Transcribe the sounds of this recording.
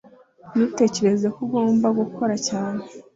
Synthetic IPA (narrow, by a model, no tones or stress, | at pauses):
nute̞ːce̞ɾe̞zekuɡo̞ːmbaɡukʰo̞ɾacaːne̞